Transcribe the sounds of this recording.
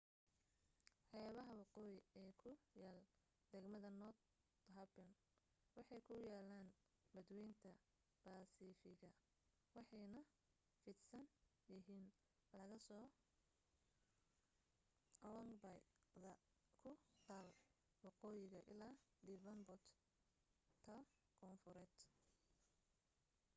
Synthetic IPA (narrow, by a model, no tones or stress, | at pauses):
ħɛβɐɦɐwɑqɔːjɪɛːkʰʊjaːl | d̪ɛɡmɐðɐnɔt̪ | ɦɐbɐn | wɑħɑjkʰʊjaːlaːn | bɐd̪wɛjnt̪ʰɐ | b̥aːsiːfɪɣɐ | wɑħɑjnɐ | fɪd̪sɐn | jɪɦiːn | lɐɣɐsɔː | lɐŋbɐj | ðɐ | kʰʊt̪aːl | wɑqɔːjɪɣɐʔɪ̰laːd̪ivɐnbɔt̪ | tʰːɐ | kʰɔnfʊɾɛːd̪̥